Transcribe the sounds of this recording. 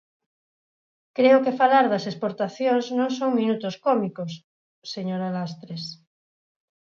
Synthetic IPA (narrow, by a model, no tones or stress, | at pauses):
kɾeokefalaɾðɐsespoɾt̪aθjoŋznõŋsõŋmĩnut̪oskɔmikosː | eɲoɾalast̪ɾes